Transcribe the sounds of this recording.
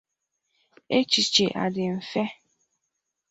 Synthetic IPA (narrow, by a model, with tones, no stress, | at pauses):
e˦t͡ʃi˨t͡ʃe˨ʔa̰˨dɪ˨m̩˨fɛ˦